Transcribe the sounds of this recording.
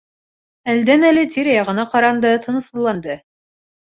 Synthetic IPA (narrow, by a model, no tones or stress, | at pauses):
æld̪ænælɘt̪ʲiɾjɑʁɤ̆nɑqɑɾɑnd̪ɤt̪ʰɤ̆nɤ̆sɤ̆lˠɑnd̪ɤ